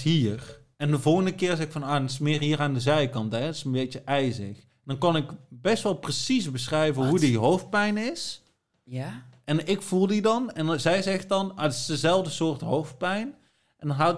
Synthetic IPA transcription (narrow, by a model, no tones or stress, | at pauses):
ɦiːr | ɛndəvolˠɣəndəkɪːrzɛɪkfɑnoːdtɪsmɪːrɦiːraːndəzɛjkɑntɦɛtɪsənbejt͡ʃəʔɛjzɪx | ndɑnkɑnɪkbɛstʋɛlˠprəsisbəsrɛjvənɦudiɦowft̚pɛjnɪs | ʔɛnɪkfulˠdidɑnɛnzɛjzɛxtɑnatɪ̥sdəzɛlˠvdəsʊːrtɦowft̚pɛjn | ʔɛndɑnɦa